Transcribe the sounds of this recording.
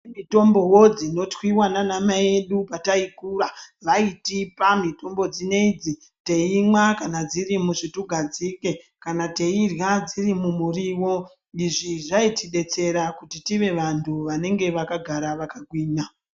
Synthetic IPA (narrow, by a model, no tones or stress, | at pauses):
mito̞mbo̞wo̞d͡zino̞twiwananamae̞ɗupataikuraʋaitipamito̞mbo̞d͡zine̞id͡zi | te̞imwakanad͡zirimuʐituɡʱad͡zike | kanate̞irjad͡zirimumuriwo̞ | iʐiʐaitiɗe̞t͡se̞ɾakutitiʋe̞ʋantʰuʋane̞ŋɡe̞ʋakaɡʱaɾaʋakaɡʱwiːna